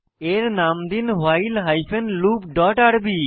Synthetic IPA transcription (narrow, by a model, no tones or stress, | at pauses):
eɾnamd̪inɦajlɦajpʰenlupɖɔʈaɽbi